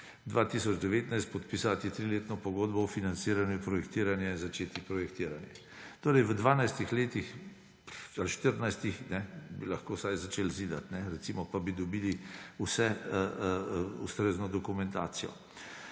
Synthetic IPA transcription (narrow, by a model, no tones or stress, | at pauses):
d̪ʋaːt̪isɔd͡ʒd̪ɛʋeːt̪najst̪̚pɔt̪pisaːt̪it̪ɾileːt̪nɔpɔɡoːd̪bɔwfinant̪siːɾanjupɾɔjɛkt̪iːɾanjɛinzat͡ʃeːt̪ipɾɔjɛkt̪iːɾanjɛ | t̪oːɾɛjʋəd̪ʋaːnajst̪ixleːt̪ix | alʃt̪əɾnajst̪ixnɛbilɐxkoːsajzat͡ʃeːlziːd̪a̰t̪nɛɾɛt̪siːmɔpabid̪ɔbiːliusɛ | ust̪ɾeːznɔd̪ɔkumɛnt̪a̰ːt̪sijɔ̰